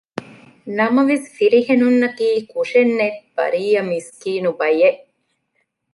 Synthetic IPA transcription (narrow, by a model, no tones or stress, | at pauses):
nɐmɐʋesfiɾihenunːɐk̪iːkuʂenːet̪b̥ɐ̰ɾiːjɐmiskiːnubɐjeʔ